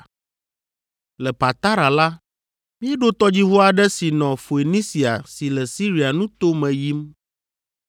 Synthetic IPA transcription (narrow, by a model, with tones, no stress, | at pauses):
lɛ˨pa˨t̪a˦ɾa˨la˦ | mĩ˦ɛ˦ɖo˦t̪ɔ˦d͡ʑi˦vo˦a˨ɖɛ˦si˨nɔ̃˨fo˨e˨nĩ˦si˨a̰˨si˨lɛ˨si˦ɾi˨a˨nũ˦t̪o˦mɛ̃˨ji˦m